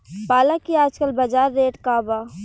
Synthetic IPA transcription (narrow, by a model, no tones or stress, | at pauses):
paːlakiaːd͡ʒkəlbɐd͡ʒaːɾːeːʈkaːbaː